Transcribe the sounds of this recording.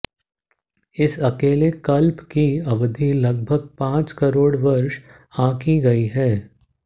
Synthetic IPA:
ɪsɐkeːlekɐlpkiɐʋd̪ʱilɐɡ̚bʱəɡ̚pãːt͡ʃkɐɾoːɽʋɐɾʃ | ãːkiɡɐiɦɛː

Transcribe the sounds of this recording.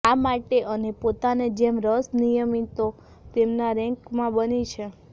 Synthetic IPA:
amaʈeʔənepot̪aned͡ʒemɾəsnijəmit̪o | t̪emnaɾɛ̃ŋkmãbənit͡ʃʰe

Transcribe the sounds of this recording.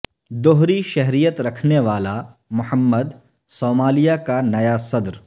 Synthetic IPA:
d̪oɦɾiʃɛɦɾijət̪ɾɐkʰneʋaːlamʊhəmːəd̪ | soːmaːlijakanɐjasɐd̪ɾ

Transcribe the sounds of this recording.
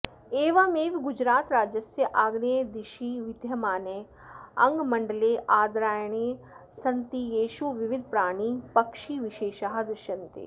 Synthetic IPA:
eːʋaːmeːʋɡʊd͡ʒɾaːt̪ɾaːd͡ʒjɐsjɐʔaːɡnied̪ɪʃiʋɪd̪ʱjɐmaːne | ɐŋɡmɐɳɖəleʔaːd̪ɾaːjɽ̃e | sɐnt̪ijeːʃuʋɪʋɪd̪ʱpɾaːɽ̃ipɐkʃiʋɪʃeːʃaɦad̪ɐɾʃɐnt̪ḛː

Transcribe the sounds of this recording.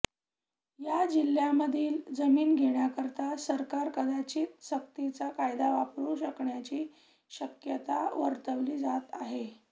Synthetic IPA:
jad͡ʑil̤ːjaməd̪ʱiːld͡zəmiːnɡʱeɳjakəɾt̪asəɾkaɾkəd̪ʱat͡ɕiːt̪ɕəkt̪it͡sakajd̪aʋapɾuːɕəkɳjat͡ɕiː | ɕəkjət̪aʋəɾt̪əʋliːd͡zat̪aɦe

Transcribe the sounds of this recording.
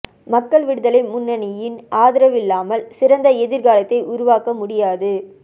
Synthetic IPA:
mɐkːɐɭʋɪɽɯðɐlɐɪnmʊnːɐnɪjɪnʔaːðɪɾɐʋɪlːaːmɐlsɪɾɐnd̪ɐɛðɪɾɣaːlɐt̪ːɐɪʔʊɾʊʋaːkɐmʊɽɪjaːðɯ

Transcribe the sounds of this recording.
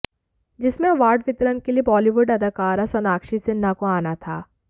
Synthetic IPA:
d͡ʒɪsmẽɐʋaːɾɖʋɪt̪ɾənkeliebɔːliʋʊɖɐd̪ʱakaːɾasɔnaːkʃisɪnːakoaːnat̪ʰaː

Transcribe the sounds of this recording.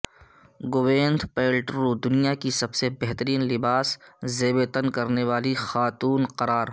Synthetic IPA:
ɡoʋẽːnd̪peːlʈɾuːd̪ʊnijakisɐbsebɛɦt̪əɾiːnlɪbaːszeːbet̪ənkɐɾneʋaːlixaːt̪uːnqɐɾaːɾ

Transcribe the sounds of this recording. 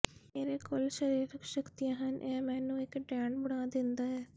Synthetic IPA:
meːɾeːkolʃəɾiːɾkʃəkt̪ijaɦɐnʔẽmɛnːũːɪkːʈaːɳɖbʊɽãːd̪ɪnd̪aːɛ

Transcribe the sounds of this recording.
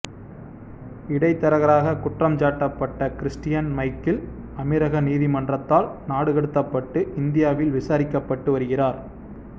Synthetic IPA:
ɪɽɐɪt̪ːɐɾɐɣɐɾaːɣɐkʊʈrɐmt͡ʃaːʈːɐpːɐʈːɐkɪɾɪsʈɪjɐnmɐɪkːɪl | ɐmɪɾɐɣɐniːðimɐndrɐt̪ːaːlnaːɽɯɣɐɽɯt̪ːɐpːɐʈːɯʔɪnd̪ɪjaːʋɪlʋɪsaːɾɪkːɐpːɐʈːɯʋɐɾɯɣɪraːɾ

